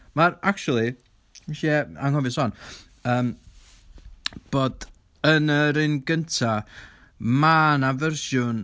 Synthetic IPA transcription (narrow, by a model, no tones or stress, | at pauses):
maɾak̚t͡ʃulˠi | miʃiɛaŋhɔvɪsɔn | əːm | b̥oːd | ənəɾɪnɡəntʰa | manavɛrʃjʊn